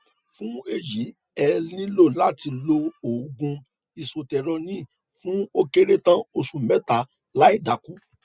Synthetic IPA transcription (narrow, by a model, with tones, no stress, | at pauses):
fũ˦e˦˨ji˨˦ | ɛ˧nĩ˦lo˦˨la˦ti˧lo˧o˨ɡũ˧ | i˨so˨tɛ˨ɾo˧nĩ˦˨ | fũ˦o˦ke˦ɾe˦tã˦o˧sũ˨mɛ˨˦ta˨˦ | la˦i˦˨da˨ku˨˦